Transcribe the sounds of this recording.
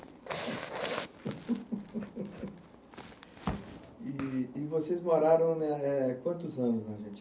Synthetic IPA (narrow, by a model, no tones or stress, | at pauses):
ɪːvosezmoɾaɾɐ̃w̃nɛɛkwɐ̃nt̪ʊzɐ̃nʊznɛʒẽt͡ʃ